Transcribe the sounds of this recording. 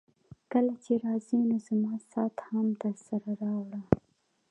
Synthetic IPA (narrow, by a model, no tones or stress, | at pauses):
kəlat͡ʃeɾɑzinozamɑsɑt̪hamd̪əɾsaɾaɾɑwɽa